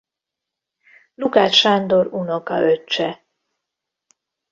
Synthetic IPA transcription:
lukaːt͡ʃʃand̪o̞ɾuno̞kɒ̰ʔøt͡ʃːɛ

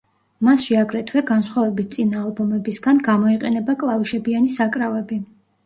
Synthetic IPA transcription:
masʃiaɡɾɛt̪ʰwɛɡansχwavɛbit̪̚t̪sʼinaːlˠbɔmɛbisɡanɡamɔiqʼɛnɛbakʼlˠaviʃɛbianisakʼɾavɛbi

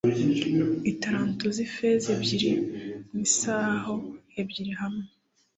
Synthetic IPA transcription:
iitaɾaːntuzifezebɟiɾimisaːhoebɟiɾiɦamŋe

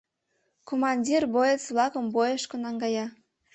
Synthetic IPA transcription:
komɑnʲdʲirbojet͡sβlɑkə̆mbojeʃkonɑŋɡɑjɑ

